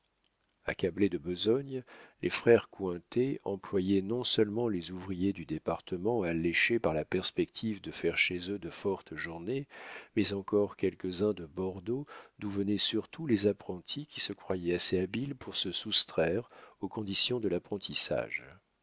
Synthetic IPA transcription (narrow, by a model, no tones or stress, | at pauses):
a̰kabled̪əbəzɔɲlʔḛfχɛʁkwɛ̃t̪eɑ̰̃plwajɛnɔ̃sœlmɑ̃lezuvʁijed̪yd̪epaʁt̪əmɑ̃alɛʃepaʁlapɛʁspɛkt̪ʰivd̪əfɛʁʃezød̪əfɔʁt̪ʒuʁnemɛzɑ̃kɔʁkʲɛlkəzɛ̃d̪əbɔʁd̪od̪uvənɛsyʁt̪ʰulezapχɑ̃t̪ʰikʲisəkχwajɛaseabilpʰuʁsəsust̪χɛʁokɔ̃d̪isjɔ̃d̪əlapχɑ̃t̪ʰisa̰ʒ